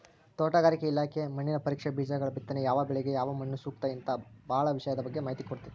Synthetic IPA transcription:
t̪ɔːʈaɡaːɾikeilaːkʰemɐɳːinɐpɐɾiːkʂɐbiːd͡ʒaɡɐɭɐbit̪ːɐnejaːʋɐbɛɭɛɡe̞jaːʋɐmɐɳːusuːkt̪aːjɐnt̪ɐbɐːɐɭɐʋiʂɐjɐd̪ɐbɐɡːemaːɦit̪ikoɽt̪ii

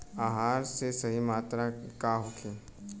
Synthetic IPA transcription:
aːɦaːɾsesɐɦimaːt̪ɾakaɦoːkʰeː

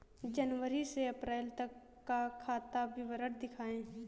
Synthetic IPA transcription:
d͡ʒənʋəɾiseɐpɾɛːlt̪ɐkː | akʰaːt̪abɪʋəɾəɽd̪ɪkʰaːẽː

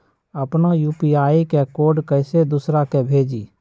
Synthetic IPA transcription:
əpnajuːpiaːikekoːɾɖkəɪsed̪ʊsɾakebʱeːd͡ʒiː

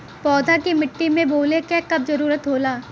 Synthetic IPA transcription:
pɔːd̪ʱakimɪʈːimẽboːlekɛːkɐb̚zɐɾuːɾət̪ɦoːlaː

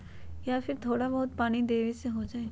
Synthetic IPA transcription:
jaːfʰɪɾt̪ʰoːɽabɐɦʊt̪̚paːnid̪eːʋeseɦod͡ʒaːeː

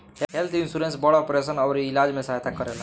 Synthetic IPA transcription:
heɦelt̪ʰinsuɾẽnsbɔɽaɔpɾesənʌwɾilad͡ʒmẽsaɦt̪akəɾela

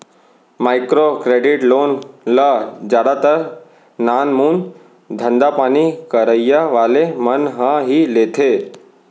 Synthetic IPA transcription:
maːɪkɾokɾeɖɪʈloːnləd͡ʒaɽat̪əɾ | naːnmuːn | d̪ʱə̃nd̪apaːnikəɾəjaʋaːlemənɦãɦileːt̪ʰe

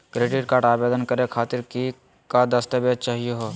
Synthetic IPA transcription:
kɾeːɖɪʈkaːɾʈaːbeːd̪ənkɐɾekʰaːt̪ɪɾki | kad̪əst̪əʋjət͡ʃaːɦijoɦo

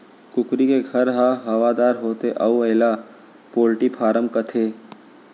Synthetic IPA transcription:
kʊkɾikeɡʱɐɾɦaɦɐʋad̪aːɾɦoːt̪eʔɐuəɦɪla | poːlʈipʰaːɾəmkət̪ʰeː

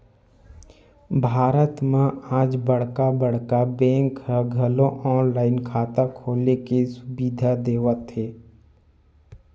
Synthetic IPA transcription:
bʱaːɾət̪mãaːd͡ʒbəɽ̤kabəɽ̤kabɛ̃ːŋkhəɡʱəlõʔɔːnlaːɪnkʰaːt̪akʰoːlekesʊbiːd̪ʱad̪eːwət̪ɦeː

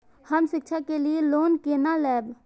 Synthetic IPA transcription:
həmsɪkt͡ʃʰakelijeloːnkeːnalɛːb

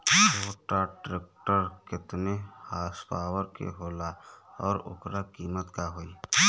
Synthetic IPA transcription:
ʋoːʈaʈɾeːk̚ʈəɾkɪt̪nehaːspaːwəɾkḛɦoːlaɔːɾʊ̰kɾakiːmət̪kaɦoːi

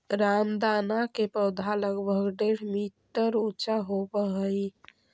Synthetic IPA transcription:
ɾamd̪anakepəʊd̪ʱaləɡbʱəɡɖeɽmiʈəɾut͡ʃaɦopəɦəj

